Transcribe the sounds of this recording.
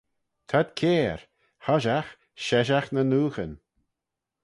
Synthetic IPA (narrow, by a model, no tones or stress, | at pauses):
t̪ʰad̪kʰeːɹ | haʒax | ʃɛʒaxnənuːxən